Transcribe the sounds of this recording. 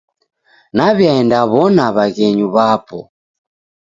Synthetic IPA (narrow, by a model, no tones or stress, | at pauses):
naβjaɛndaβɔnaβaɣɛɲuβapɔ̰